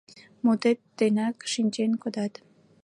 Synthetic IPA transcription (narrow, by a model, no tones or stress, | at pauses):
mot̪et̪ːenakʃinʲt͡ɕenkod̪ɑt̪